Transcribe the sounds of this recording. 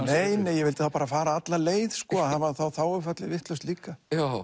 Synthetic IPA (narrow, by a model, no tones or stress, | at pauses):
neːjneːjɛvɪlt̪ɪ̥θawpaːɾafaːɾaat̪laleːjðskɔːaðhavaθawθawʏfœt̪lɪvɪht̪lœɥst̪liːka